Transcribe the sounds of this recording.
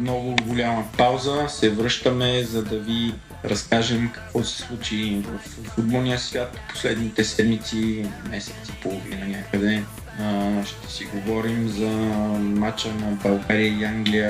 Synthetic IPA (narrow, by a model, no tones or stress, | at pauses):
mnɔɡʊɡolʲamɐpawzəsɛvɾɤʃt̪əmɛzɐd̪ɐvi | ɾʔɐskaʒɛmkɐ̥kvɔsɛ̥slˠut͡ʃivɐfːud̪̚bɔlnijəsvʲjat̪po̥slɛd̪nit̪ɛsɛd̪mit̪simɛsɛ̥t̪si̥polˠovḭnəɲʲakəd̪ɛ | ʃt̪ɛ̥siɡovɔɾimzɐmat͡ʃənɐbɐlˠɡaɾijəiaŋɡlijə